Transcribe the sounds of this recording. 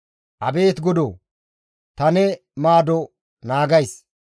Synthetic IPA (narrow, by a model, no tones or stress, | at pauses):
ʔɐbe̞ːt̪ɡɔd̪o | t̪ɐnɛ | maːd̪ɔ | naːɡɐjs